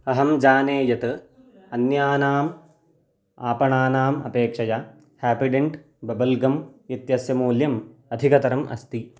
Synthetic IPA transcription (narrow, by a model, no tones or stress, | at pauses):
ɐɦɐmd͡ʒaːneːjɐt̪ɨ | ɐnjaːnaːm | aːpɐɳaːnaːmɐ̰peːkʂɐja | haːpiɖeɳʈ | bɐbɐlɡɐmit̪jɐsjɐmuːljɐmɐd̪ʱikɐt̪ɐɾɐmʔɐ̰st̪i